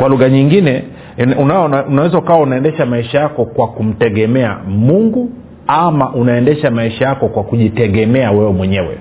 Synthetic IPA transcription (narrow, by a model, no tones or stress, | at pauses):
kwaluɣaɲiŋɡinɛ | unaunawɛzaukawaunaɛndɛʃamaiʃajakɔkwakum̩tɛɠɛmɛa̰muŋɡu | amaʔunaɛndɛʃamaiʃajakɔkwakuʄitɛɠɛmɛawɛwɛmwɛɲɛwɛ̰